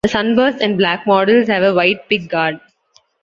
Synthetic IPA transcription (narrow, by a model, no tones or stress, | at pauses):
d̪əsʌ̃nbəːsʈɛ̃ɳɖ̚blæːk̚mɔːɖəlzhæʋəʋaɪʈ̚pɪk̚ɡaːɖ̚